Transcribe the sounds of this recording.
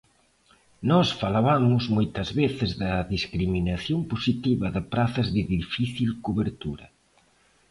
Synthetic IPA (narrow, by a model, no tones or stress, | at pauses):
nɔsfalaβamʊzmojt̪ɐzβeθɪzðɐðiskɾiminɐθjomposit̪iβɐðɪpɾaθɐzðɪðifiθilkuβeɾt̪uɾɐ̰